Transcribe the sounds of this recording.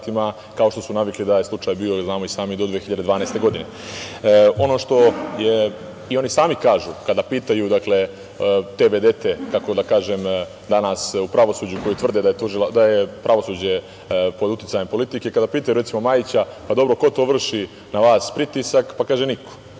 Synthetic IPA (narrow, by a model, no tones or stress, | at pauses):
t̪ima | kao̞ʃt̪o̞sunaʋiklid̪ajeslˠut͡ʃaːjbiːo̞znaːmoisaːmid̪od̪ʋeçiʎad̪ed̪ʋaːnajst̪e̞ɡo̞d̪ine̞ | o̞no̞ʂt̪o̞je̞ | io̞nisaːmikaːʒukad̪apiːt̪ajud̪akle̞ | t̪eʋed̪e̞t̪e̞kako̞d̪akaːʒem | d̪anasupɾaʋo̞suːd͡ʑuko̞jit̪ʋr̩d̪ed̪ajet̪uʒilad̪aje̞pɾaʋo̞suːd͡ʑe̞ | po̞d̪ut̪it̪sajempo̞lit̪ike̞kad̪apiːt̪ajuɾetsimo̞maːjit͡ɕapad̪o̞bɾo̞ko̞t̪o̞ːʋr̩ʃi | naʋaːspɾit̪isakpakaːʒenikʰo̥